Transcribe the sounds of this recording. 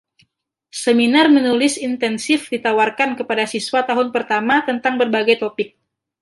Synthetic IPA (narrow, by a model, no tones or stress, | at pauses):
səminarmənulɪsint̪ɛnsɪfdit̪awarkankəpadasiswat̪aɦʊnpərt̪amat̪ənt̪aŋbərbaɡajt̪opɪk̚